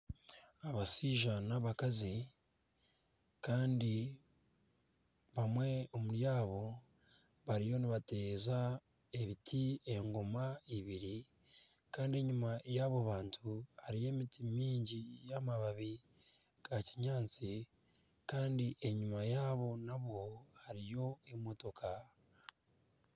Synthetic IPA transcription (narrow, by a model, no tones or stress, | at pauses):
aβasiʒanaβakazi | kaːndi | βamwe̞omuɾjaːβo̞ | βaɾijo̞niβate̞ːza | e̞βitʰie̞ŋɡo̞maiβiɾi | kaːndie̞ɲumajaβoβaːntʰuhaɾije̞ːmitimiːɲɟijamaβaβi | ɡ̥aciɲaːnt͡si | kaːndiʔe̞ɲumajaːβo̞naβwo̞haɾijo̞emo̞to̞kʰa